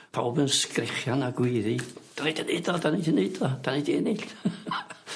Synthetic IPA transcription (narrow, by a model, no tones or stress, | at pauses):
pʰawbənskrɛχjanaɡwɪːðid̥anejdineɨdɔdanidineɨdɔd̥anediɛneɬ